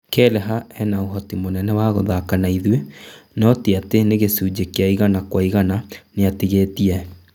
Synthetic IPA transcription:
kɛlɛɦaɛnaoɦɔtimonɛnɛwaɣoðakanaiðwenɔteateneɣesuːd͡ʑekeaiɣanakwaiɣananeatiɣetiɛ

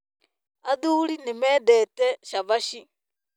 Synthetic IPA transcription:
aðuːlinɛmɛːdɛtɛʃaβaʃi

